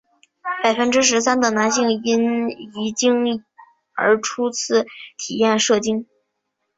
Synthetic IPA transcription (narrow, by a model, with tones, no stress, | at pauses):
pa˨˩ɪfə˥nʈ͡ʂɻ̩˥ʂ̬ɻ̩˧˥sa˥nd̪ə˨na˧˥nɕi˥˩ŋi˧˥ni˨˧˥t͡ɕi˥ŋ | ə̰˞˧˥ʈ͡ʂʰu˥t͡sʰɹ̩˥˩t̪ʰi˨˩jɛ˥˧nʂɤ˥˩t͡ɕi˥ŋ